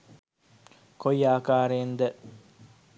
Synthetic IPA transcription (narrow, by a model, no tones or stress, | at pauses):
kojaːkaːɾeːnd̪ɛ